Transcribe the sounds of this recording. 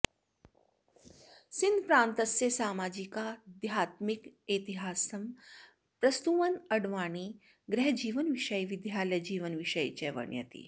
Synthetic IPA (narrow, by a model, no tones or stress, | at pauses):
sind̪pɾaːnt̪ɐsːjesaːmaːd͡ʑikad̪jaːt̪miket̪iɦaːsɐm | pɾɐst̪uʋɐnɐɽʋaːɳ̃iː | ɡɾɛɦd͡ʑiːʋənʋiʃəjʋid̪ʱjaːled͡ʑiːʋənʋiʃəjt͡ɕeʋɐ̰ɳjɐ̰t̪ḭː